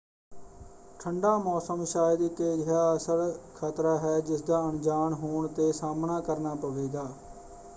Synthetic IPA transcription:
ʈʰəɳɖaːmɔːsəmʃaːɪd̪ik̪eːɾɦaːəsəlkʰaːt̪ɾaːɦɛːd͡ʒɪsd̪aːənd͡ʒaːɳɦoːɳt̪eːsaːmnaːkəɾnaːpəʋeːɡaː

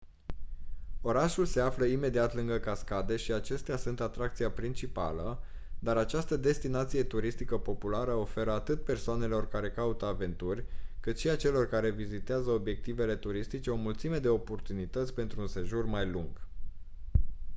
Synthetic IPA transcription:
o̞ɾaʃulse̞afləime̞d̪iat̪lɨŋɡəkaskad̪e̞ʃiat͡ʃe̞st̪easunt̪at̪ɾakt̪sijapɾint͡ʃipa̰lə | d̪aɾat͡ʃast̪əd̪e̞st̪inat̪sije̞t̪uɾist̪ikəpo̞pulaɾəo̞fe̞ɾəat̪ɨt̪̚pe̞rsoane̞lo̞rkaɾe̞kaut̪əave̞nt̪urʲkɨt̪ʃiat͡ʃe̞lo̞rkaɾe̞vizit̪eazəobje̞k̚t̪ivele̞t̪uɾist̪it͡ʃe̞o̞mult̪sime̞d̪e̞o̞po̞rt̪unit̪ət̪sʲpe̞nt̪ɾuːnse̞ʒurmajluŋɡ̥

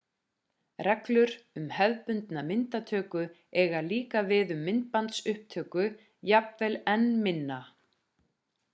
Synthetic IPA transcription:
rɛklʏɾʏmhɛðpʏnt̪namɪnt̪at̪ʰœːkʏ | ɛɣaliːkavɪðʏmːɪnt̪̚pant̪sʏhp̚t̪ʰœːkʏ | japvɛlɛnmɪnːa

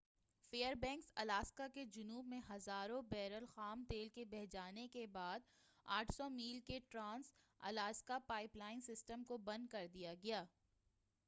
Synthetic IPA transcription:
feːəɾbɛ̃ːŋksɐ̰laːskaked͡ʒʊnuːbmẽɦɐzaːɾõbɛːɾəlxaːmt̪eːlkebɛɦd͡ʒaːnekebaːd̪ | a̰ːʈʰsɔmiːlkeʈɾãːns | ɐ̰laːskapaːɪplaːɪnsɪsʈəmkobɐ̃nd̪̚kɐɾd̪ijaɡɐjaː

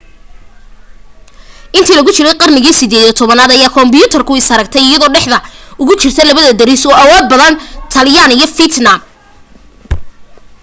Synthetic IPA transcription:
ʔɪnt̪ʰiːlɐɣʊt͡ʃɪɾɛjqɑrnɪɣiːsɪd̪ɛːðiɔt̪ʰɔβɐnaːd̪ɐjaːkʰɔmbjʊt̪ʰɐrkʰʊɪsɐɾɐkt̪ʰɛjɪjɐðɔːɖɛħðɐʔʊɣʊt͡ʃɪrt̪ʰɛlɐβɐðɐd̪ɐɾiːsɔːʔɐwaːd̪̚bɐðɐnt̪ʰɐljaːnijfit̪nɐm

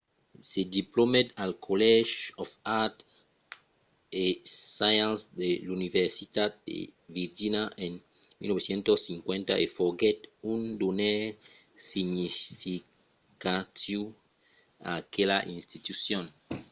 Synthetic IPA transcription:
sediplomɛdalkʰɔlɛd͡ʒɔfat | esajãnsdelunivɛsitat̚dḛvid͡ʒinaʔɛ̃nmḭlɔvesjɛ̃ntɔsĩŋkwɛ̃nta̰ʔefɔɡɛtũndonɛ | siɲifi | katiu | a̰kɛlaʔḭ̃nstitusjɔ̃n

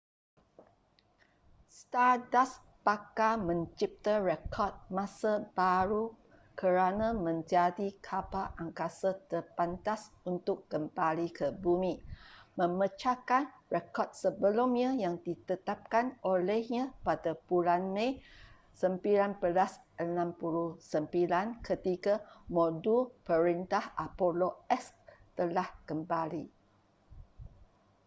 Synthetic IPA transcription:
st̪adas | pakamə̃ɲt͡ʃip̚t̪əɹɛkʰɔt̪̚mãsəbaɾu | kəɾanãmə̃ɲd͡ʒadikʰabaʔaŋkasat̪əpant̪asunt̪ʊkːəmbalikʰəbumĩmə̃mət͡ʃakanɹɛkɔt̪̚səbəlumɲãjaŋdit̪ət̪ap̚kanʔolɛhɲãpadabulanmẽj | səmpiɾanpəlas | ənãmpuluhsəmpilankʰət̪ikamodupəɾint̪ahapoloɛst̪əlahkəmbali

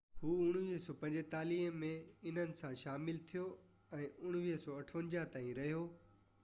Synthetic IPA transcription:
ɦuːʊɽ̃ʋiːɦsɔːpɐ̃ɲd͡ʑt̪aːliːɦmẽɪn̤ənɪ̆sãʃaːmɪlt̪ʰijo | ɛ̃ːʔʊɽ̃ʋiːɦsɔːɐʈʰʋə̃ɲd͡ʑat̪aːĩɾɐɦijoː

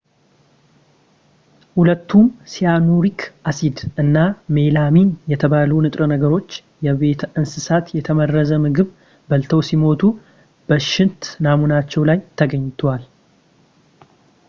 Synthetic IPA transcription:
hulət̪ːumsianuɾikʰʔasid̪ɨnːame̞laminjɛt̪ʰəβalunɨt̪ʼɾənəɡəɾo̞t͡ʃː | jɛβe̞t̪ʰʔɨnsɨsat̪jɛt̪ʰəmərːəzəmɨɡɨβ | bəlt̪ʰəwsimo̞t̪ʰu | b̥əʃɪnt̪namunat͡ʃːɛwlajt̪ʰəɡəɲːt̪ʰwal

